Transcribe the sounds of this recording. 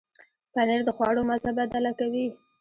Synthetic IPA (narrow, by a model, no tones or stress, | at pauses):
paneɾd̪əxwɑɽomazabad̪alakawi